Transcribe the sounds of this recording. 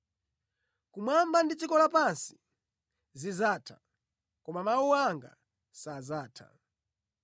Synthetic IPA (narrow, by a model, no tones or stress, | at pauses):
kumwambandit͡ʃikɔlapansi̥ | zizatʰa | kɔmamawuwaŋɡa̰ | sazaːtʰa̰